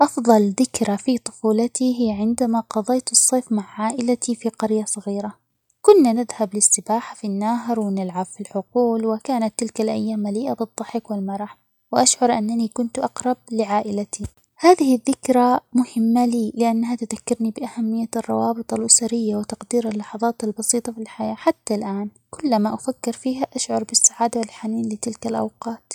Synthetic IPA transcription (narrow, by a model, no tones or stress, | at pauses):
ʔɑfðˤɑlðɪkɾˤafit̪ˤʊ̥fuːlat̪iɦɪjːaʕɪnd̪amaqɑd̪ˤɑjt̪ɨsˤːeːfmaʕʕaːʔɪlat̪ifiqɑɾjasˤɑɣiːɾa | kʊnːanɪðhablɪsːɪbaːħḁfinːaːɦɪɾwɪnɪlʕabfilħʊquːlwɪkaːnat̪ːɪlkalʔa̰jːaːmːaliːʔabɨd̪ˤːɑħɪkwɪlmɑɾˤɑħ | wɪʔaʃʕʊɾˤʔanːanikʊnt̪ʔɑqɾˤɑb̚lɪʕaːʔɪlat̪ʰi | haːðɪhɪðːɪkɾamʊhɪmːaliːlɪʔanːaɦat̪ʊðakːɪɾnibɪʔahamːɪjːarˤːɑ̰wɑːbɨt̪ˤɑlʔʊsaɾɪjːawɪt̪ɑqd̪iːɾalːɑħɑðˤɑːt̪albɑsiːt̪ˤɑfilħajaːħat̪ːalʔaːn | kʊlːmaʔʊfakːɪɾfiːɦaʔaʃʕʊɾˤbɪsːaʕaːd̪awɪlħaniːnlɪt̪ɪlkalʔa̰wqɑːt̪